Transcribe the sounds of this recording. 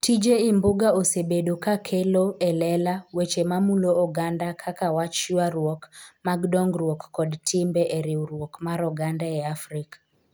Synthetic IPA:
tid͡ʒeimboɡaosebedokakʰeloɛlɛlawet͡ʃemamuloːɡandakʰakawat͡ʃwaɾwɔkmaɡdɔŋɡɾwɔkːɔdtʰɪmbɛʔeɾiwɾwɔkmaɾɔɡandaɛafɾikḁ

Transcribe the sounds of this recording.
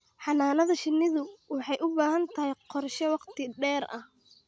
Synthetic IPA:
ħɑnaːnɐðɐʃɪnːɪðʊwɑħɑjʔʊbaːhɐnt̪ʰɐɦɪjqɔrʃɛwɑqt̪ʰɪɖɛːɾɐ̰h

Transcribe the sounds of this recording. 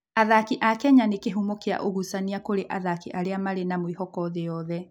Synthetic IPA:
aðakiʔakɛɲanekeɦumokea̰ʔoɣusaniakoɾeʔaðakiʔaɾeamaɾenamwihɔkɔðeɔðɛ

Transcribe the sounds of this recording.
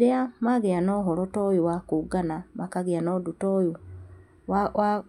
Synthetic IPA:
eamaɣeanɔɦɔɾɔtɔjuwakuɡanamakaɣianɔdutɔju | a

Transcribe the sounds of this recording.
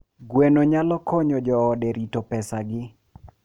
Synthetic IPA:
ɡwenoɲalɔkɔɲɔd͡ʒɔːdɛɾitopɛsaɡɪ

